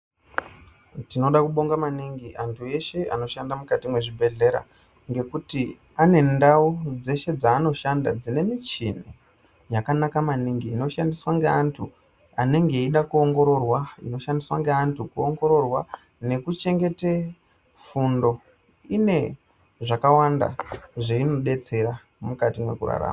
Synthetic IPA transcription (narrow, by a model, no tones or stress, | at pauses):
tino̞ɗakuɓo̞ŋɡamaniŋɡiʔantʰue̞ʃe̞a̰no̞ʃandamukatimwe̞ʐibʱe̞ɮe̞ɾa̰ | ŋɡe̞kuti | ane̞ndaud͡ze̞ʃe̞d͡zaːno̞ʃanda̰d͡zine̞mit͡ʃinḛ | jakanakamaniŋɡiːno̞ʃandiswaŋɡeantʰu | aneŋɡe̞iɗakuo̞ŋɡo̞ɾo̞rwaino̞ʃandiswaŋɡeantʰukuoŋɡo̞ɾo̞rwa | ne̞kut͡ʃe̞ŋɡe̞te̞ | fundo̞ | ine̞ | ʐakawanda̰ʐeino̞ɗe̞t͡se̞ɾa | mukatimwe̞̰kṵra̰ɾa̰ːma